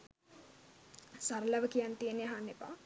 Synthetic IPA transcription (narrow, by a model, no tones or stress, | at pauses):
saɾəlaʋəkijant̪ijəneɦanːepa̰